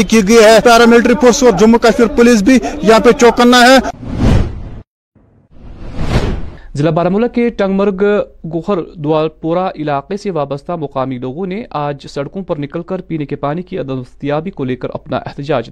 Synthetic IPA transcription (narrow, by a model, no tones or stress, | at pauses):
ikiɡɐiɦɛːpɛːɾamɪlʈɾipʰoːɾsɔːɾd͡ʒʊmːukaʃmɪɾpʊliːs̬bʱijɐɦãpet͡ʃoːkənːaɦɛː | zɪlaːbaːɾamʊlakeʈɐ̃ŋɡməɾɡɡʊxəɾd̪ʊaːlpoːɾaʔɪlaːqeseʋaːbəst̪ʰamɐqaːmiloːɡõneʔaːd͡ʒsɐɽkõpɐɾnɪkəlkɐɾpiːnekepaːnikiɐd̪əst̪ijaːbikoleːkəɾɐ̰pna̰ʔɛ̰ɦt̪ɪd͡ʒaːd͡ʒ